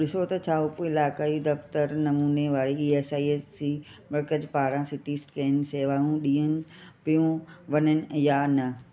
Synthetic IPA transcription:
ɗɪsot̪ɐt͡ɕʰaːopuɪlaːkaːid̪ɐft̪əɾnɐmuːneʋaːɾeiːeːsaːiesimɐɾkəd͡ʑpaːɽãːsɪʈiːsʈkɐənɪ̆seːʋaːjũɗĩːənɪ̆pijũʋɐnənɪ̆jaːnɐ

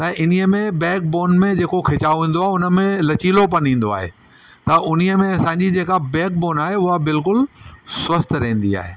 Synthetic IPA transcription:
t̪ɐ̃ʔɪn̤iəmẽbɛ̃ːk̚boːnmẽd͡ʑeːkokʰeːt͡ɕaːoʋĩːn̆d̪oaːɦeʊnə̆mẽlɐt͡ɕiːlopɐnĩːn̆d̪oa̰ːɦḛ | t̪ɐʔʊn̤iəmẽɐsãːɲd͡ʑid͡ʑeːkabɛ̃ːk̚boːnaːɦeʊɦabɪlk̬ʊlswɐst̪ʰɾɐɦĩːn̆d̪ḭa̰ːɦḛː

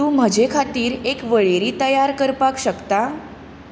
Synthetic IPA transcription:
ũːm̤əd͡ʑekʰat̪iːɾekʋəɭeɾiːt̪əjaɾkəɾpakɕəkt̪a

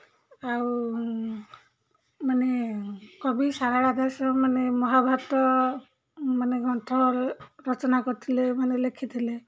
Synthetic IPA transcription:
aw | manekɔbisaɾaɽad̪aɾsɔmanemɔɦabʱat̪ɔ | maneɡʱɔnt̪ʰɔɾɾɔt͡ʃɔnakɔɾt̪ʰilemanelekʰit̪ʰile

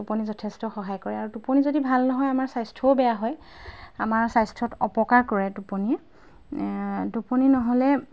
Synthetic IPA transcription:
tuponizɔtʰestɔxɔɦajkɔɹɛaɹutuponizodibʱalnɔɦɔjamaɹsajstʰɔbɛjaɦɔj | amaɹsajstʰɹɔtɔ̰pɔkaɹkɔɹɛdupɔni | duponinɔɦɔlɛ

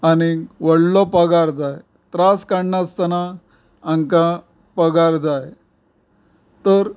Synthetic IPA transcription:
añiʋəɽlɔpəɡaɾd͡zaj | t̪ɾaskaɳɳast̪ənaː | ŋka | pəɡaɾd͡zaj | t̪əɾ

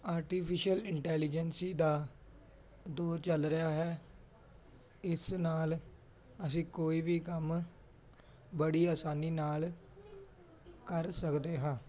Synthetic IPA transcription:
aːɾʈiːpʰɪʃəlɪɳʈɛːlɪd͡ʒənsiːd̪aː | d̪oːɾt͡ʃəlɾəjaːɦɛː | ɪsnaːl | əs̬ĩːkoːiːbiːkəm | bəɽiːaːsaːniːnaːl | kəɾsəkd̪eːɦãː

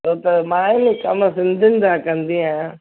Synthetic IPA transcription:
oːt̪ɐmãːemĩkɐmsɪ̃nd̪ʱɪnɪ̆d̪akɐ̃nd̪iãjã

